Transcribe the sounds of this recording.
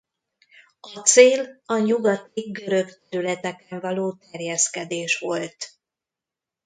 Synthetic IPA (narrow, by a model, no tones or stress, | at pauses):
ɒt̪seːlɒɲuɡɒt̪iɡɡø̞ɾø̞kt̪ɛɾylɛt̪ɛkɛɱvɒloːt̪ɛrjɛskɛd̪eːʃʋo̞lt̪